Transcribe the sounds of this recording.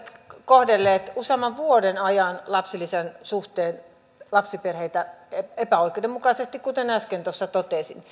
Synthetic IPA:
t̪kohdelːeːt̪usemːɑʋʋuodenɑjɑnlɑpsilːisensuht̪eːn | lɑpsiperheit̪æeepæoikeudemukɑsest̪ikkut̪enæskent̪osːɑt̪ot̪eˑsin

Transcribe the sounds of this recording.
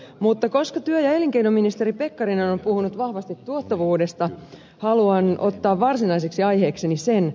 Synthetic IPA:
mut̪ːɑko̞skɑt̪yøjɑe̞liŋkeinominist̪eɾipe̞kːɑɾinonompuhunut̪ʋɑhʋɑst̪it̪ːuot̪ːɑʋuːde̞st̪ɑ | hɑluɑno̞̰t̪ːɑːʋʋɑrsinɑiseksiɑjhe̞ːksenisen

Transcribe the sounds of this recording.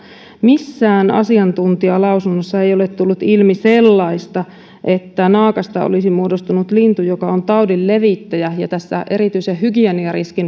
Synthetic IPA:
misːæːnɑ̰siɑnt̪unt̪iɑlɑusunːosːɑe̞jo̞let̪t̪ulːut̪ilmiselːɑist̪ɑ | ʔe̞t̪ːænɑːkɑst̪ɑo̰lisimuodost̪unut̪lint̪ujokɑont̪ɑodilːeʋit̪ːæjæjɑt̪æsːæ̰ʔe̞ɾit̪yisehhyɡiæniɑriskin

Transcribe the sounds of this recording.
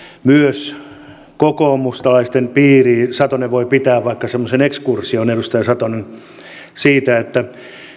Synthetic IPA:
myøs | kokoːmust̪ɑlɑist̪empiːriːsɑt̪oneʋʋoipit̪æːʋʋɑikːɑsemːosenekskursionedust̪ɑjɑsɑt̪onen | siːt̪æet̪ːæ

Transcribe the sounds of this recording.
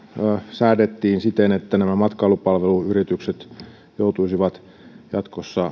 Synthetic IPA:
sæːdet̪ːiːnsit̪enet̪ːænæmæmɑt̪kɑlupɑlʋeluyrit̪ykset̪ | jout̪uisiʋɑt̪ | jɑt̪kosːɑ

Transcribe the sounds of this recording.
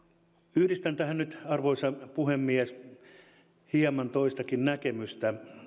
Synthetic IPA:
yhdist̪ænt̪æhænnyt̪ɑrʋoisɑpuhemːies | hiemɑnt̪oist̪ɑkinnækemyst̪æ

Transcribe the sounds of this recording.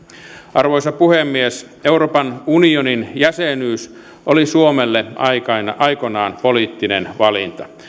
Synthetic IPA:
ʔɑrʋojsɑpuhemːies | euroːpɑnunioninjæsenyːs | ʔolisuomelːeɑ̰ikɑinʔɑikonɑːnpoliːt̪ːinḛnʋɑlint̪ɑ̥

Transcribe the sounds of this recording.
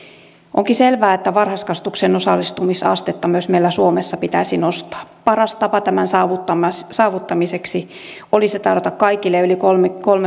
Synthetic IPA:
ʔoŋkiselʋæːet̪ːæʋɑrhɑskɑst̪uksenosɑ̰lːist̪umisɑ̰st̪et̪ːɑmyøsmeilːæsuomesːɑpit̪æisinost̪ɑ̥ːpɑrɑst̪ɑpɑt̪æmænsɑːʋut̪ːɑmɑsɑːʋut̪ːɑmiseksi | oliset̪ɑrot̪ɑkkɑikilːeylikolmekolme

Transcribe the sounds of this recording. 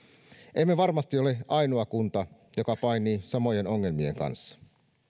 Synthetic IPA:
ʔemːeʋɑrmɑst̪io̞leʔɑjnoɑkunt̪ɑ | jo̞kɑpɑinisɑmo̞je̞no̞ŋːe̞lmie̞ŋkɑ̰nsːɑ̥

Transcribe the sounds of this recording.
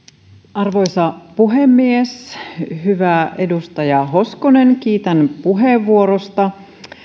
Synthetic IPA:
ɑrʋo̞jsɑpuɦemːiesɦyʋæʔe̞dust̪ɑjɑɦo̞skonenkiːt̪ænpuɦeʋːuoɾost̪ɑ

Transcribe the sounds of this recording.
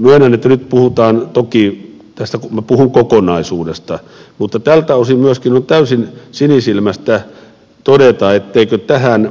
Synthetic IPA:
myøenɑnːet̪ːænyt̪puhut̪ɑːnt̪oki | t̪æst̪ækumæpuhuŋkokonɑisuːdest̪ɑ | mut̪ːɑt̪ælt̪æosimyøskinont̪æysinsinisilmæst̪æ | t̪odet̪ɑet̪ːeikøt̪æhæn

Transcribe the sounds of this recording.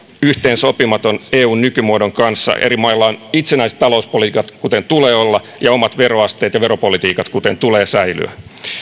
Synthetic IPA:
yht̪eːnsopimɑt̪oneːuːnnykymuodoŋkɑnsːɑ̰ʔeɾimɑilːɑonit̪senæise̥t̪t̪ɑlouspolit̪iːkɑt̪kut̪ent̪uleːolːɑ | jɑomɑt̪ʋeɾoɑst̪e̞ːt̪jɑʋeɾopolit̪iːkɑt̪kut̪ent̪uleːsæily̰æ̰

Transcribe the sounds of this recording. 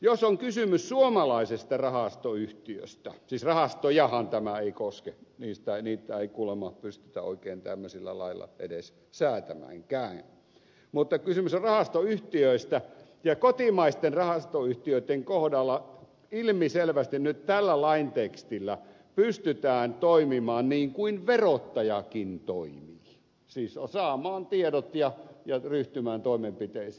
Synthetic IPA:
josoŋkysymyssuomɑlɑisest̪ɑrɑhɑst̪oyht̪iø̰st̪æ̰siːsrɑhɑst̪ojɑhɑnt̪æmæeikoskeniːst̪æniːt̪ːˑæeikuːlemɑpyst̪y̥t̪æo̰ikeːnt̪æ̰mːøsilːæ̰lɑ̰ilːɑ̰ʔḛdes | sæːt̪æmæ̰ŋkæːŋ | mut̪ːɑkysymysorɑhɑst̪oyht̪iøist̪æ | jɑkot̪imɑist̪enrɑhɑst̪oyht̪iøˑit̪ːeŋkohdɑlːɑ | ilmiselʋæst̪innytt̪ælːælɑint̪ekst̪ilːæ | pyst̪yt̪æːnt̪oimimɑːnniːŋkuinʋerot̪ːɑjɑkint̪oimiː | siːssɑːmˑɑːnt̪iedot̪jɑjɑryht̪ymæːnt̪oˑimempit̪eˑis

